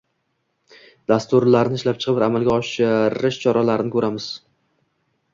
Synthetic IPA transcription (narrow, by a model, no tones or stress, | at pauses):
d̪ast̪ʊɾlaɾnɪʃlap̚t͡ʃʰɨ̥qɨbɪɾamalˠɡʲaɒʃɪɾɪʃt͡ʃʰɒɾalaɾɪnɪkʰɵɾamɪz̥